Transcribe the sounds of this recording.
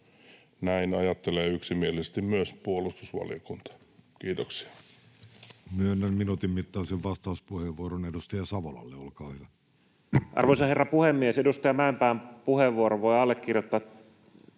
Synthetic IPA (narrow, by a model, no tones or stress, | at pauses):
næinɑjɑt̪ːeleːyksimielisest̪immyøspuolust̪usʋɑ̰lijokunt̪ɑ̥ | kiːt̪oksi̥ɑ̥ | myøenːæmminuːt̪immit̪ːɑˑːseʋʋɑst̪ɑuspuheʋʋuoɾonedust̪ɑjɑsɑʋolɑ̰lːeolkɑːhyʋæ | ʔɑ̰rʋoisɑherːɑpuhemːiesedust̪ɑjɑmæempæːmpuheʋːuoɾoʋoiɑlːekːirjot̪ːɑ